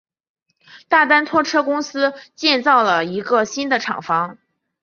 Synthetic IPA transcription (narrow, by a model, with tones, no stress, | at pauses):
t̪a˥˩t̪a˥nt̪ʰwɔ˥˩ʈ͡ʂʰɤ˥kʊ˥ŋsɹ̩˥t͡ɕjɛ˥˧nt͡sɑ˥˩ʊlə˩i˧˥ɡə˧ɕi˥nd̪ə˨ʈ͡ʂʰɑ̰˨˩ŋfɑ˧˥ŋ